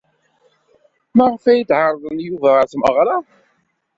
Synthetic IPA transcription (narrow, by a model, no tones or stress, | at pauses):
mæʁəfæjid̪ʕɑɾˤðˤənjuvæʁθməʁɾˤɑ